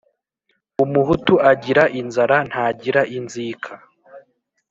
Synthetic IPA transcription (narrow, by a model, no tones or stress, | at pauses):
umuɦutuʔaɟiɾaʔinzaɾan̥haːɟiɾaʔinziːkʰa